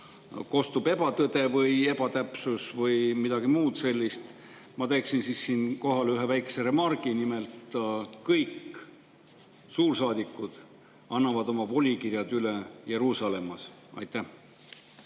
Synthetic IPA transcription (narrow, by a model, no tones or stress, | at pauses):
ko̞st̪ub̥e̞b̥ɑt̪ɤd̪e̞vɤje̞b̥ɑt̪æpsusvɤjmid̪̥ɑɡ̥imuːd̪̥se̞lʲːist̪ | mɑt̪e̞ksinsisːiːnko̞ɦɑlyɦe̞væjke̥se̞ɾe̞mɑrɡ̥inimelt̪kɤjk | suːrsɑːd̪̥ikːˑud̪̥ | ɑnːɑvɑd̪o̞mɑvo̞lʲikirjɑd̪yleje̞ɾuːsɑle̞mːɑs | ɑ̰jt̪æh